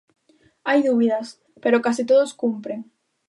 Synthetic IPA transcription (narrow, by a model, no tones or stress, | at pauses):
ajðuβiðɐs | peɾokasit̪oðoskumpɾeŋ